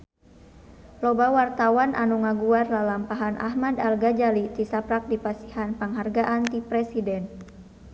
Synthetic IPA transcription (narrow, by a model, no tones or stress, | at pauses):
lobawart̪awanʔa̰nuŋaɡuarlalampaɦanʔa̰ɦmadalɡad͡ʒalit̪isapɾak̚dipasihanpəŋɦarɡaʔant̪ipɾɛsidɛn